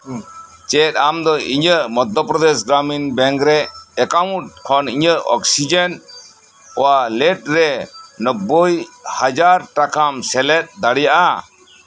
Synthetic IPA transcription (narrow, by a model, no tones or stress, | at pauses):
t͡ʃɛt̪̚amd̪ɔiɲəʔmɔd̪ɔpɾɔd̪esɡɾaminbɛ̃ŋkɾɛːkaw̃ʈ̚kʰɔniɲəʔɔ̰ksid͡ʒen | ɔwalɛʈ̚ɾɛnəbːəjhad͡ʒaɾʈakamsɛlɛt̪̚ˀd̪aɽijaʔa